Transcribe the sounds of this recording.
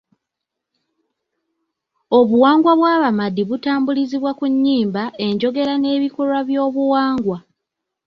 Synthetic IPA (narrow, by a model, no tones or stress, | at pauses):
o̞βuwaːŋɡwaβwaːβamadiβutaːmbuliziβwakuɲːiːmbae̞ɲɟo̞ɡe̞ɾane̞ːβikolwaβjo̞ːβuwaːŋɡwa